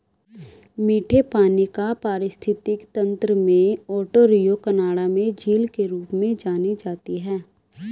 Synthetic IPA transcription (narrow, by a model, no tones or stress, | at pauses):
miːʈʰepaːnikapaːɾɪst̪ʰɪt̪ɪkt̪ɐ̃nt̪ɾəmẽɔːʈoɾijokənaːɽamẽd͡ʒiːlkeɾuːpmẽd͡ʒaːnid͡ʒaːt̪iɦɛː